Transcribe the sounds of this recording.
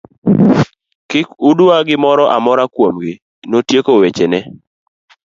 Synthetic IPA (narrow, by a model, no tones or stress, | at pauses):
kɪkuduaɡɪmɔɾɔʔamɔɾakwomɡɪ | notjekowet͡ʃenɛ